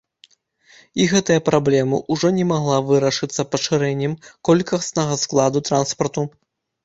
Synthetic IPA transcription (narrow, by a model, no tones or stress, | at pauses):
iɣɛt̪ɐjɐpɾablʲɛmɐʔuʐɔnʲɛmaɣlˠavɨɾɐʂɨt̪sːɐpɐʂɨɾɛnʲːɛmkɔlʲkɐsnɐɣɐsklˠad̪ut̪ɾanspɐrt̪u